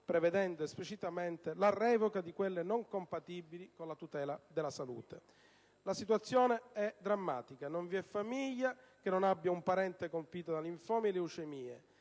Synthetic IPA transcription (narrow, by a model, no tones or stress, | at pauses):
pɾeved̪ɛnd̪oesplit͡ʃit̪ament̪elarɛːvokad̪ikwelːenoŋkompat̪ibilikonlat̪ut̪ɛːlad̪elːasalṵːt̪e | lasit̪wat̪sːjɔːneɛd̪ɾamːa̰ːt̪ikanoɱviɛfːamiʎːa | k̟enːonabːjaumpaɾɛnt̪ekompiːt̪od̪aliɱfɔːmieleut͡ʃemiːḛ